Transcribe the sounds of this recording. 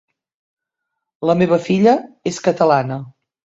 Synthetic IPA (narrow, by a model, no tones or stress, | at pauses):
ləmeβ̞əfiʎəeskət̪əlanə